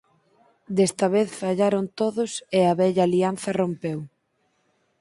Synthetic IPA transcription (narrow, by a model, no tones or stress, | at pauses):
d̪est̪ɐβeθfaʎaɾont̪oðʊseɐβɛʎaːlianθɐrompew